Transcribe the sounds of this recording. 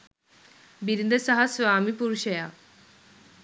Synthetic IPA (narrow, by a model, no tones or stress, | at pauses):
biɾind̪əsɐɦɐsʋaːmipuɾʃɐjaː